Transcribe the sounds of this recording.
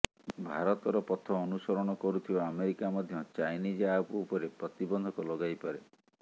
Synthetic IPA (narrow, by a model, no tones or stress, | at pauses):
bʱaɾɔt̪ɔɾɔpɔt̪ʰːɔːnusɔɾɔɽ̃ɔkɔɾut̪ʰibaameɾikamɔd̪ʱjɔt͡ʃajnid͡ʒapuupɔɾepɾɔt̪ibɔnd̪ʱɔkulɔɡajpaɾe